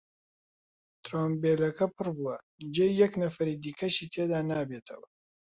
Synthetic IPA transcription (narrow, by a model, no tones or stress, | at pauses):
t̪ɾoːmbelɐkɐpʰɨrbuwɐ | d͡ʒeːjɐknɐfɐɾiːd̪iːkʰɐʃiːt̪ʰeːd̪aːnaːbeːt̪ʰɐ̰wɐ